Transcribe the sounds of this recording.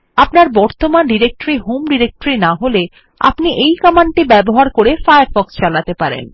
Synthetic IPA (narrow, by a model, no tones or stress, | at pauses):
apnaɾbɔɾt̪omanɖiɾek̚ʈoɾiɦomɖiɾek̚ʈoɾinaɦole | a̰pniʔejkɔmaɳʈibɛboɦaɾkoɾefajaɾfɔkst͡ɕalat̪epaɾḛn